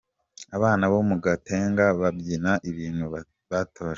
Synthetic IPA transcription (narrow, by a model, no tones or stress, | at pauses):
aβaːnaβomuɡate̞ːŋɡaβabɟinaʔiβiːn̥hu | βatʰoːʃ